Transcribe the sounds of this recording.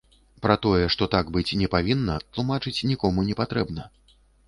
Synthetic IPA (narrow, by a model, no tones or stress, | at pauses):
pɾɐt̪ɔjɛʂt̪ɔt̪aɡbɨt͡sʲnʲɛpavʲinːɐt̪lˠumat͡ʂɨt͡sʲnʲikɔmunʲɛpat̪ɾɛbnɐ